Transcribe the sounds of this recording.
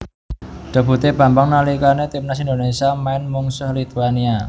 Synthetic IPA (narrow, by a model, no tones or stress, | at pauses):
d̥a̤bṳt̪ebä̤mbaŋnalikanet̪imnasind̪onesiamaɪnmuŋsʊhlit̪uania